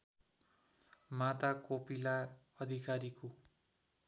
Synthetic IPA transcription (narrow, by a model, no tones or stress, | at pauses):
mat̪akopila | ʌd̪ʱikaɾiko